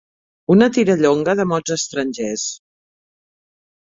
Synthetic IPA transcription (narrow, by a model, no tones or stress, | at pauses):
unət̪iɾəʎoŋɡəðəmɔd͡zəst̪ɾənʲʒes